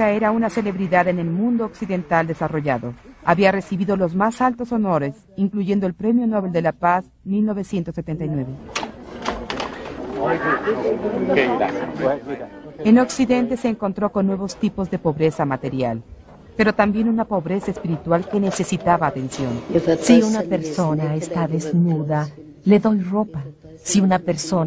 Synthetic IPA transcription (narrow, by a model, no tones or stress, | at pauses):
aeɾaunase̞le̞βɾiðaðe̞ne̞lmũnd̪oːksiðe̞nt̪ald̪e̞saro̞ʝaðo̞aβiare̞siβiðo̞lo̞zmasalt̪o̞so̞no̞ɾe̞s | iŋkluʝe̞nd̪oe̞lpɾe̞mjo̞no̞βe̞ld̪e̞lapaz | milno̞βe̞sje̞nt̪osːet̪e̞nt̪ajnwe̞βe̞ | eno̞ksiðe̞nt̪e̞se̞ːŋko̞nt̪ɾo̞ko̞nːwe̞βo̞st̪ipo̞zðe̞po̞βɾe̞samat̪e̞ɾja̰l | pe̞ɾo̞t̪ambje̞nunapo̞βɾe̞saespiɾit̪walke̞ne̞se̞sit̪aβaːt̪e̞nsjo̞nsiunape̞ɾso̞naest̪aðe̞znuða | le̞ðo̞jro̞pa | siunapeɾso̞n